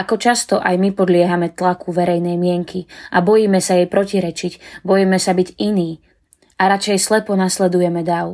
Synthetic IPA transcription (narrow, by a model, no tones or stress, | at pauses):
ʔakɔt͡ʃast̪ɔʔajmipɔd̪lɪɛɦamɛt̪lakʰuʋɛɾɛjnɛjmɪɛŋkʰiʔabɔjiːmɛsajɛjpɾɔciɾɛt͡ʃicbɔjimɛsabiɟiniː | aɾat͡ʃɛjslɛpɔnaslɛd̪ujɛmɛd̪aʊ